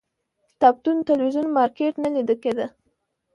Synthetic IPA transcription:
t̪ap̚t̪unt̪alwizunmɑɾkeʈnalid̪əked̪ə

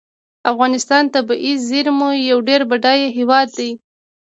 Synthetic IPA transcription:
afɣɑnɪst̪ɑnt̪abaʔizziɾmujawɖeɾbaɖɑjeɦewɑd̪̚d̪aj

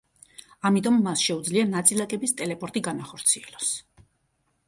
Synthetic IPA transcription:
amit̪ʼɔmːasʃɛud̪zlianat̪sʼilˠakʼɛbist̪ʼɛlɛpʼɔɾt̪ʼiɡanaχɔɾt̪sʰiɛlɔs

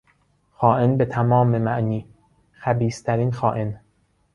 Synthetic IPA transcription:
xɒːʔenbet̪ʰæmɒːmemæʔniː | xæbiːst̪ʰæɾiːnxɒːʔen

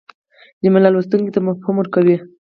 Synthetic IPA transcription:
d̪əmɪlɑlwust̪uŋkit̪amafhumwʊɾkawi

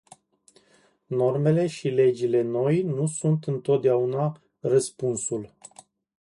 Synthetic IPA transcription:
no̞rme̞le̞ʃile̞d͡ʒile̞no̞jnusunt̪ɨnt̪o̞t̪̚d̪eauna | rəspunsul

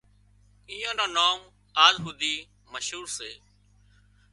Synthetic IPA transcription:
iːãːnãːnaːm | aːlɦuːd̪iː | məʃɦuːɾseː

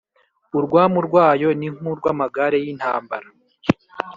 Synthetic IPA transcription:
uɾɡwaːmuɾɡwaːjo̞niŋ̥uɾɡwamaɡaɾe̞jin̥ha̰ːmba̰ɾa

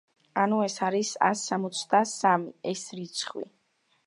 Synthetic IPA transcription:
anuɛsaɾisa̰sːamɔt̪sʰd̪asamiɛsɾit̪sʰχwḭ

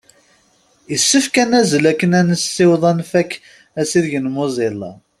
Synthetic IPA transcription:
əsːəfkænæzəlækːənænəsːiwðˤɑnfækː | æsiðʝənmozˤɪlɑ̰

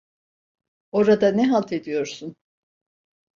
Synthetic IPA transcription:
o̞ɾad̪anɛɦalˠt̪ʰe̞d̪ijo̞ɾsun

